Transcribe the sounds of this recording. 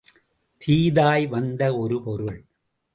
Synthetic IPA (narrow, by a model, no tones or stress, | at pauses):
t̪ʰiːðaːjʋɐnd̪ɐɔɾɯpɔɾɯɭ